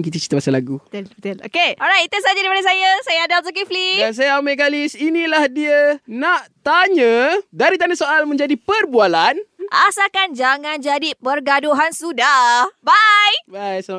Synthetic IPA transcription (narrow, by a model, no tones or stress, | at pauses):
kit̪̬ət͡ʃi̥t̪əmasalaɡut̪no̰keɔɾajt̪̚it̪əsad͡ʒaɾipadas̬ajasajaadap̚s̬ok̬iflijas̬ajaamaʔk̬alisinilahdiənaʔt̪aɲədaɾit̪anəsoʔalmə̃ɲd͡ʒadipərbualanʔasakand͡ʒaŋãnd͡ʒadipərɡadoɦansudabajbajsa